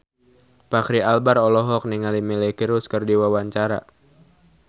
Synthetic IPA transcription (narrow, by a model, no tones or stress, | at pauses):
pakɾialbarɔlɔɦɔk̚niŋalimilɛkiɾuskərdiwawaɲt͡ʃaɾa̰